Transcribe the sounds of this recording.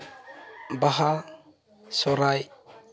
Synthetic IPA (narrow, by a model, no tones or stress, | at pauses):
baɦa | sɔɾaj